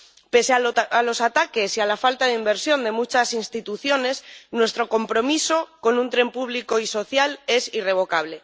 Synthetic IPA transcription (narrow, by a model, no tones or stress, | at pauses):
peseaalo̞sat̪ake̞sialafalt̪aðeimbe̞ɾsjo̞nd̪e̞mut͡ʃasinst̪it̪uθjo̞ne̞snwe̞st̪ɾo̞ko̞mpɾo̞miso̞ko̞nũnt̪ɾe̞mpuβliko̞iso̞θjale̞sire̞β̞o̞kaβ̞le̞